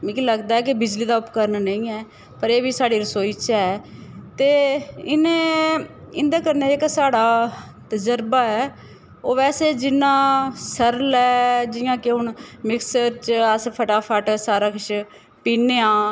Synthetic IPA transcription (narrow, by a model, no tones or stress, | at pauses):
mĩːkiləɡd̪aːɛːk̬ɪbɪd͡ʒliːd̪aːʊpkəɾənnəĩːɛː | pəɾeːbiːsaːɽiːɾəsoːiːt͡ʃɛːt̪eːɪnẽː | ɪnd̪eːkəɾneːɪksaːɽaː | t̪əd͡ʒəɾbaːɛː | oːʋɛːseːd͡ʒɪnːãːsəɾlɛːd͡ʒɪjãːkeʊɳmɪksəɾt͡ʃəspʰəʈaːpʰəʈsaːɾaːkɪt͡ʃ | piːneːãː